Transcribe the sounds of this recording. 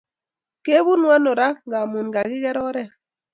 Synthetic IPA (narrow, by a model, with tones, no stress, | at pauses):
ke˦bu˦nwa˦no˨ɾa˦ŋɡa˨mu˨nɡa˨ɡɪ˦ɡɛ˦ɾɔ˦ɾɛ˦